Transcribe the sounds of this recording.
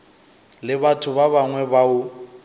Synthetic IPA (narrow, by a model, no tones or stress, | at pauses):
lɪbatʰʊβaβaŋwɛbaʊ